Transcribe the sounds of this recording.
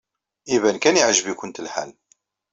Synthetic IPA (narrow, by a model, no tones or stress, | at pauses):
ivænkæniʕʒvikʷənt̪əlħæ̰l